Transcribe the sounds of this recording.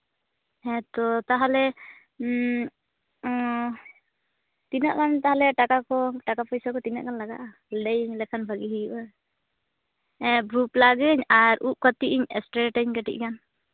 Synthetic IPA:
ɛt̪ɔt̪aɦalɛ | t̪inaʔkant̪aɦalɛʈakakɔʈakapɔjsakɔt̪ina̰ʔkanlaɡa̰ʔa | lɖɛjɲlɛkʰanbʱaɡiɦijuʔa | ɛbɾuplaɡɛɲaɾuʔ̚kət̪iʔiɲɛ̰sʈɾɛʈɛɲkəʈḭʔ̚kan

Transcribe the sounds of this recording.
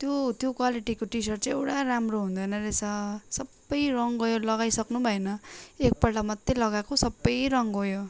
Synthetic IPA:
t̪jot̪jokwaliʈikoʈisʌrt͡sãj̃ewʈaɾamroɦũnd̪ʌjnʌɾet͡sʰʌsʌbːʌjrʌŋɡʌjolʌɡajsʌknubʱʌenʌek̚pʌlʈamʌd̪ʱelʌɡakosʌbːʌjɾʌŋɡojo

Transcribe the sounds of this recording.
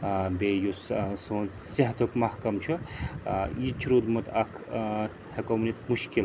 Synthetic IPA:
beːjussoːn | seɦt̪ukmɐhkɐmt͡ʃʰu | jit͡ʃʰɾud̪mut̪ɐkʰ | hekomnit̪muʃkil

